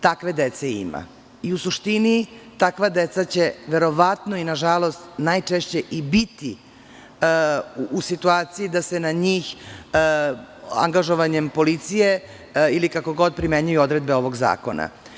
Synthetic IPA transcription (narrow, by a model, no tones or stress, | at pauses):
t̪akʋe̞d̪et̪seḭma̰ | iusuʃt̪init̪akʋad̪e̞t̪sat͡ɕe̞ʋe̞ɾo̞ʋat̪no̞inaʒalˠo̞st̪najt͡ʂeʃt͡ɕe̞ʔibit̪i | usit̪uaːt̪sijid̪ase̞naɲiːx | a̰ŋɡaʒoʋaɲe̞mpo̞lit̪sije | ilikako̞ɡo̞d̪̚pɾime̞ɲujuo̞d̪ɾe̞d̪̚be̞o̞ʋo̞ɡza̰ːko̞na̰